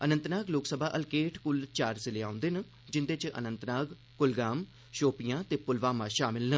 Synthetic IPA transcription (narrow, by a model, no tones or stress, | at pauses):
ənə̃nt̪naːɡloːksəbʱaːʔəlkeːʈʰkʊlt͡ʃaːɾsɪleã̰ːnd̪en | d͡ʒɪnd̪eːt͡ʃʔə̰nənt̪naːɡ | kʊlɡaːm | ʃoːpijãːt̪eːpʊlʋaːmãːʃaːmɪlnə